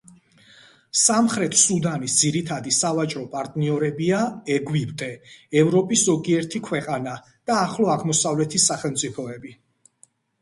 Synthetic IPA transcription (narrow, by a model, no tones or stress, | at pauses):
samχɾɛt̪ʰsud̪anisd̪ziɾit̪ʰad̪isavat͡ʃʼɾɔpʼaɾt̪ʼniɔɾɛbiaɛɡwibt̪ʼɛɛvɾɔpʼiszɔɡiɛɾt̪ʰikʰwɛqʼana | d̪̥aːχlˠɔaɡmɔsavlɛt̪ʰisaχɛlmt̪sʼipʰɔɛbi